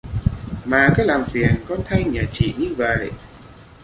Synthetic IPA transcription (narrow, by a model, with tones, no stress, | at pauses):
maː˨˩kɔ˨˦jlaː˨˩mfi˨˩ənkɔ˧˦nt̪ʰa˧jɲaː˨˩t͡ɕḭ˧˨ɲɨ˧və̰˧˨j